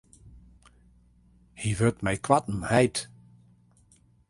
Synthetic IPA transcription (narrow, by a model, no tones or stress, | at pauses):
hiʋøtmɛjkʰwatən̩hɛjt